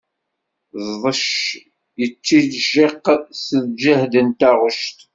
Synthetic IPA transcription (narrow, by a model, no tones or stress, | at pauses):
zðˤəʃ | jət͡sːiðʒeqːsəðd͡ʒəhd̪ənt̪aʁʊʃt̪